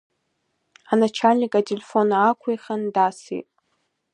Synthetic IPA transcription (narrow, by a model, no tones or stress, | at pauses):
anat͡ʃʰalʲnʲikʼatʰelʲefo̞naːkʷʰeχandasḭtʼ